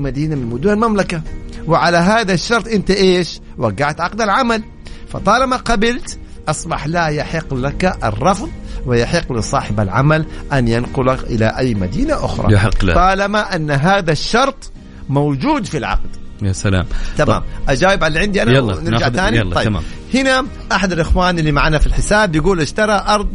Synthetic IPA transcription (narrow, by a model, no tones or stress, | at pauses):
mad̪iːnamɪnmʊd̪uːɾalmamlakawɪʕalaɦaːðaʃːɑɾˤt̪ˤʔɪnt̪aʔeːʃ | waɡːaʕt̪ʕɑqd̪alʕamal | fɑ̰t̪ˤɑːlamaqɑbɪlt̪ | ʔɑsˤbɑħlaːjaħɪqːlakaʔɑ̰rˤːɑfðˤwɪjaħɪqːlɪsˤɑːħɪba̰lʕa̰malʔanjanqʊlaʔɪ̰la̰ʔajːmad̪iːnaʔʊ̰xɾˤɑ̰jħɪqːltˤɑːlamaʔanːɦaːðaʃːɑɾˤt̪ˤ | mowd͡ʒuːd̪filʕɑ̰qd̪̥jasala̰ːmt̪ama̰ːmʔad͡ʒaːwɪbʕalːiʕɪnd̪iʔanawnɪɾd͡ʒaʕaːniˤɑjːma̰ː | hɪna | ʔaħad̪alʔɪxwaːnʔɪlːimaʕaːnafilħɪsaːbjɪɡuːlʔɪʃt̪ɑɾˤɑʔɑɾˤd̪ˤ